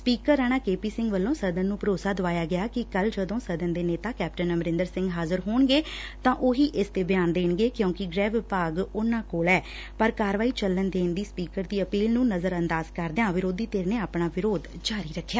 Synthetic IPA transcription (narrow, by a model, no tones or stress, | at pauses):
spiːkəɾaːɽaːkeːpiːsɪ̃ŋɡʋəlːõːsəd̪ənːũːpəɾoːsaːd̪ʊʋaːjaːɡɪjaːkɪkəld͡ʒəd̪õːsəd̪ənd̪eːneːt̪aːkɛːp̚ʈənəməɾɪ̃nd̪əɾsɪ̃ŋɡɦaːzəɾɦoːɳɡeːt̪ãːʔoːɦiːʔɪst̪eːbɪjaːnd̪eːɳɡeːkjõːkɪɡɾɛːʋɪpaːɡʊnãːkoːlɛː | pəɾkaːɾəʋaːiːt͡ʃəlːənd̪eːnd̪iːspiːkəɾd̪iːəpiːlnũːnəzəɾənd̪aːzkəɾd̪ejãːʋɪɾoːd̪iːt̪eːɾneːaːpɳaːʋɪɾoːd̪d͡ʒaːɾiːɾəkʰːjaː